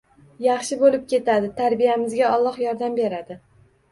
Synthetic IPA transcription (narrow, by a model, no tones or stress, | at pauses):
jɑχʃɪbolɪp̚kʲʰe̞t̪ad̪ɪt̪ʰaɾbijamɪzɡʲaɒlˠːɒχjɒɾd̪ambe̞ɾad̪ɪ